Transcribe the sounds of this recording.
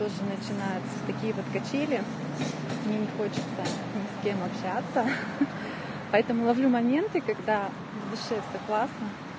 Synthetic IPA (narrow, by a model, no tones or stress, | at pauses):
t̪o̞ʐɨnət͡ɕɪnajʊt̪sə̥t̪ɐkʲijəpət̪kɐt͡ɕelʲɪ | mnʲenʲɪxo̞t͡ɕɪ̥t̪sə | nʲɪsʲkʲemɐpɕat̪sə | pɐɛt̪əmʊlˠɐvlʲumɐmʲe̞nt̪ɨkɐɡd̪a | vd̪ʊʂɛsɐklˠasnə